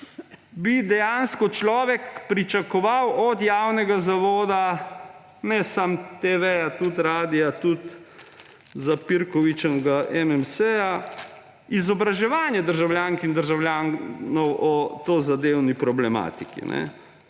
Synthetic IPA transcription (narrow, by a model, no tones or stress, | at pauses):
bid̪ɛjanskɔt͡ʃlɔːʋɛkpɾit͡ʃakɔʋawʔɔd̪jawnɛɡazaʋoːd̪a | nɛsamt̪eʋɛjat̪ut̪ɾaːd̪ijat̪ut̪ | zapiɾkɔʋit͡ʃnɡaʔɛmɛmsɛja | izɔbɾaʒɛʋaːnjɛd̪əɾʒawljaŋkind̪əɾʒawljaːnnɔwʔɔt̪ozad̪ewnipɾɔblɛma̰ːt̪ikḭnɛ̰